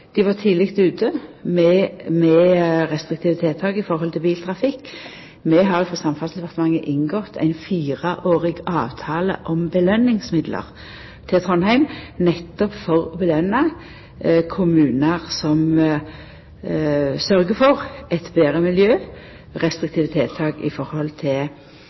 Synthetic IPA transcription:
d̪̥ɪʋɑʁt̪ʰiːlɪkt̪ʉːt̪ʰəmɛmɛʁɛst̪ʁɪk̚t̪ʰɪʋət̪ʰeːt̪ʰɑːɡəɪfɔʁhɔlt̪ʰɪlbiːlt̪ʰʁɑfɪkː | mɛɦɑɾjʊfʁɑsɑmfɑnsɛpʰɑʁt̪mɑŋːəʔɪnɡɔt̪ʰæ̰ɪnfiːʁəʔoːʁɪɡɑːʋt̪ʰɑːlə̰ʔɔmbəlœnːɪŋsmɪd̪lə̰ʁ | t̪ʰɪt̪ʰʁɔnhæɪmnɛt̪ːɔpfɔʁɔbəlœnːɑ | kʰʊmʉːnəʁsɔm | sœɾɡəfɔʁɛt̪beːʁəmɪljøː | ʁɛst̪ʁɪkt̪ɪːʋət̪ʰeːt̪ʰɑːɡɪ̰fɔɾhɔlt̪ʰɪl

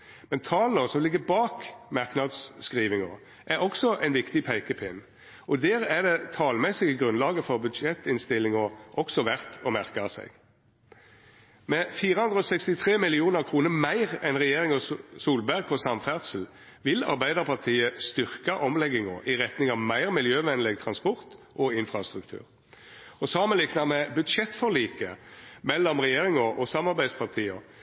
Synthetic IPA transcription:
mɛnt̪ʰɑːləʁsɔmlɪɡːəbɑːkmɑʁknɑd̪sːkʁiːʋɪŋə | ʔæɾɔksɔʔæɪnʋɪkt̪ɪpʰæɪkəpʰɪnː | ʔɔd̪eːʁæʁd̪ɛt̪ʰɑːlmɛsɪɡəɡʁʉnlɑːɡəfɔʁbʉd̪ʃɛt̪ːɪnst̪ɪlɪŋɔʔɔksɔʋæʁt̪ɔmæʁkɑsæ̰ɪɡ | mɛfiːɾəhʉnd̪ʁəɔːsɛkst̪ɪt̪ʰʁeːmɪlɪuːnəʁkʰʁuːnəʁmæɪʁɛnʁɛjeːʁɪŋɔsuːlbæʁɡ̚pʰɔsɑmfæʁt̪səl̩ | ʋɪlɑ̰ɾbæɪd̪əʁpʰɑt̪ʰiːəst̪ʏʁkɑʔɔmlɛɡɪŋɔ̰ʔɪʁɛt̪nɪŋɑʋmæɪʁmɪljøːʋɛnlɛɡt̪ʰʁɑnspɔʁt̪ | ʔɔɪnfʁɑst̪ʁʉkt̪ʰʉ̰ːʁ | ɔsɑːmənlɪknɑmɛbʉd̪ʃɛt̪ːfɔʁliːkəmɛlːɔmʁɛjeːʁɪŋɔʔɔsɑmːɑʁbæɪspʰɑʁt̪ʰiːɔ

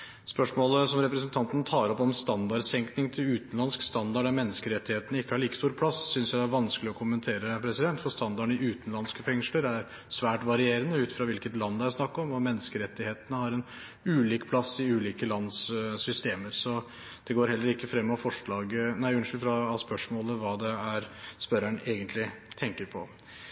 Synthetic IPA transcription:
spœʂmoːləsɔmɾɛpɾɛsənt̪ʰɑnt̪ənt̪ʰɑːɾɔpːɔmmst̪ɑnd̪ɑɖsɛŋknɪŋt̪ʰɪlʉːt̪ənlɑnskst̪ɑnd̪ɑɖæɾmɛnːəskəɾɛt̪ːɪheːt̪ənəɪkːəhɑɭiːkə̥st̪uːɾpʰlɑssʏnsjæɪd̪æɾʋɑnsklɪɔkʰʊmənt̪ʰeːɾəpʰɾɛsɪd̪ɛnt̪fɔɾst̪ɑnd̪ɑɳɪʉːt̪ənlɑnskəfɛŋʂləɾæɾ | sʋæːʈʋɑɾɪeːɾənəʉːt̪fɾɑʋɪlkət̪lɑnːd̪æsnɑkːɔmʋɑmɛnːəskəɾɛt̪ːɪheːt̪ənəhɑɾɛn | ʉːliːkpʰlɑsːɪʉːliːkəlɑnssʏst̪eːməɾsɔ | d̪̥ɛɡoːɾhɛlːəɾɪkːəfɾɛmːɑfɔʂɭɑːɡənæɪʉnʂlfɾɑːspœʂmoːləʋɑːd̪ɛæɾspœɾæɳʔeːɡənt̪lɪt̪ʰɛŋkəɾpʰɔ

